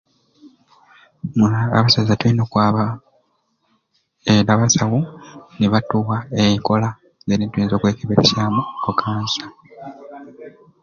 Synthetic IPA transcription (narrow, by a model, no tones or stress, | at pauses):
mua̰βasazatwinoːkwaːβa | eɾaβasawuniβatuːwaeiŋko̞la | zeɾintwuiːnzo̞ːkwe̞ːkeβeɾesaːmukokʰaːnsa